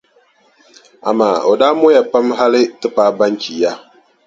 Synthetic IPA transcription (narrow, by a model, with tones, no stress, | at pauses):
a̰˨ma̰ː˨o˨daː˦mʊ˦ja˨pa˦mɦa˦lɪ˦tɨ˦paː˦ba˦nki˨ja˦